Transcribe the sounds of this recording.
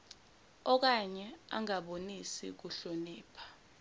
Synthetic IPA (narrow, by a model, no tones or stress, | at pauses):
ɔk̬aɲɛa̰ŋaɓonisḭk̬uɬoniːpʰḁ